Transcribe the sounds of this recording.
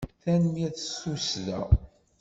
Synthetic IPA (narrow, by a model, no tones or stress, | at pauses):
θænmjæθsusðæ̰